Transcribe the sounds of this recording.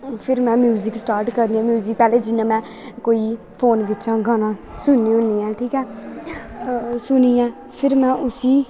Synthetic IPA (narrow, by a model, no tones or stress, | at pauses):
pʰɪɾmɛ̃ːmjuːzɪksʈaːɾʈkəɾd̪iːãːmjuːzɪk̚pɛːleːd͡ʒɪnːãːmɛ̃ː | koːiː | pʰoːnʋɪt͡ʃãːɡaːnãːsʊnːĩːõniːãːʈʰiːkɛː | sʊniːãː | pʰɪɾmɛ̃ːʔʊsiː